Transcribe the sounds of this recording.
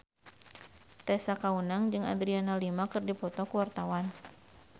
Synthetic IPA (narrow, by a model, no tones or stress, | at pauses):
t̪ɛsakaunaŋd͡ʒɨŋa̰d̪ɾianalimakɨrdipɔt̪ɔkuwart̪awan